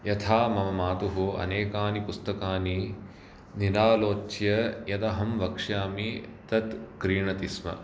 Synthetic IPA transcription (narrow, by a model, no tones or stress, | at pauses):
jɐt̪ʰaːmɐmɐmaːt̪uɦuɐ̰neːkaːnipust̪ɐkaːni | nilaːloːt͡ʃjɐjɐt̪ɐɦɐmʋɐkʂjaːmit̪ɐt̪kɾiːɳɐt̪ismɐ̰